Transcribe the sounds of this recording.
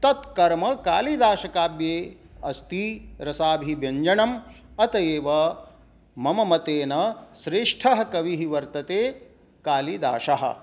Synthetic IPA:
t̪ɐt̪kɐɾmɐkaːlid̪aːʃɐkaːbjeːɐst̪iɾɐsaːbʱibjɐɲd͡ʒɐɳɐm | ɐt̪ɐjeːʋɐ | mɐmɐmɐt̪eːnɐsɾeːʂʈʰɐɦɐ̆kɐʋiɦiʋɐɾt̪ɐt̪eː | kaːlid̪a̰ːʃɐɦɐ̰̆

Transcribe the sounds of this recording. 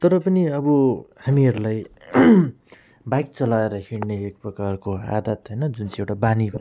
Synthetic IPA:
t̪ʌɾʌpʌniʌbʌhamiɦʌɾulaj | bajk̚t͡sʌlaeɾʌɦiɽneek̚prʌkarkoa̰d̪ʱʌt̪ɦʌjnʌd͡zunt͡siewʈabanibʱ

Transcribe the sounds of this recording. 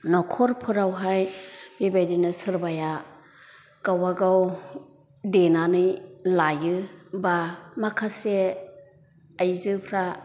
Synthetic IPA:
nɔkʰɔɾpʰɯɾawɦajbebajdinɯsɯɾbaja | kawaɡaw | denanɯjlajɯbamakʰase | ajzɯpʰɾa

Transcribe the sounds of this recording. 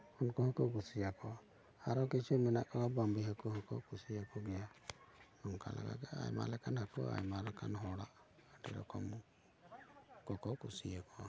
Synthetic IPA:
ɔnkɔhɔkɔɡusijakɔ | aɾɔkit͡ʃumɛnaʔkalabambiɦakɔɦɔkɔkusijakɔɡɛja | nɔŋka̰la̰ɡa̰ɡɛa̰jma̰lɛkʰanhakɔ̰a̰jmalɛkʰanɦɔɽaʔ | aʈɛ̰ɾɔ̰kɔm | kɔkɔkusijakɔ

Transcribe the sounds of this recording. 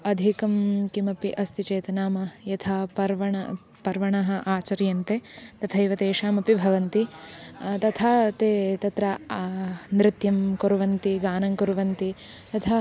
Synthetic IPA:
ɐd̪ʱikɐmkimɐpiʔɐst̪it͡ʃeːt̪ɐnaːmɐjɐt̪ʰaːpɐɾʋɐɳɐ | pɐɾʋɐɳɐɦɐʔaːt͡ʃɐɾjɐnt̪eːt̪ɐt̪ʰɐjʋɐt̪eːʃaːmɐpibʱɐʋɐnt̪i | t̪ɐt̪ʰaːt̪eːt̪ɐt̪ɾɐ | nɾɪt̪jɐmkuɾuʋɐnt̪iɡaːnɐŋkuɾuʋɐnt̪i | t̪ɐt̪ʰa

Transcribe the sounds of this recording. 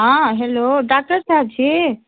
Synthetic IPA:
ɦãɦeloɖak̚ʈəɾsaːb̚t͡ɕʰi

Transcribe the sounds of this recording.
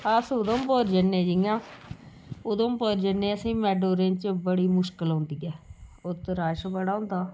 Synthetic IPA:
əsod̪õːmpoːɾd͡ʒənːẽːd͡ʒijãː | od̪õːmpoːɾd͡ʒənːẽːəsĩːmɛːɖoːɾent͡ʃbəɽiːmʊʃkəlõːnd̪iːɛːot̪ɾaːʃbəɽaːõːnd̪aː

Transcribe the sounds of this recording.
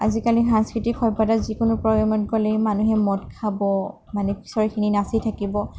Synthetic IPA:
a̰zikaliɦãnskɹitixʰɔɹbadazikʊnʊpɹɔjɔmɔtɡɔlɛmanuɦɛmɔtkʰabɔ | manɛpʰi̥sɔɹɛkʰininasitʰakibɔ

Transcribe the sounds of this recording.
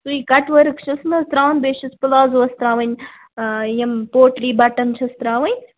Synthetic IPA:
suiːkɐʈʋɐɾkʃʰɐsnɐst̪ɾaːʋnbeːʃɐspɨlaːzuʋɐst̪ɾaːʋɐɲ | jɐmpoːʈliːbɐʈɐnt͡ʃʰɐst̪ɾaːʋɐɲʲ

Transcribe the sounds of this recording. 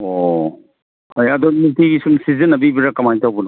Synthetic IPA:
o | hajɐdonitiɡisumsizinːɐbibiɾɐkɐmajtawbun

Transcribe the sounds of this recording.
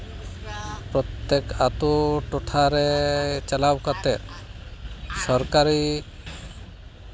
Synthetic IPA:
pɾɔt̪ːekat̪uʈoʈʰaɾet͡ʃalabkat̪eɾ | sɔɾkaɾi

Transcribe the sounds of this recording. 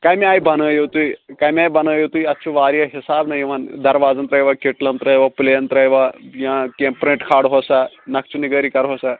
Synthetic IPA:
kaːjmiaːjbɐnəːjot̪uikaːjmiaːjbɐnəːjot̪uiɐtːt͡ʃʰuʋaːɾjɐɦɪsaːbnɐjiʋaːnd̪ɐɾʋaːd͡zɐnt̪ɾɐjʋakeʈlɐmt̪ɾəjʋaplejɐnt̪ɾɐjʋajãːkempɾeʈkʰaːɽɦosaː | nɐkt͡ʃuniɡəːɾikɐɾɦoːsaː

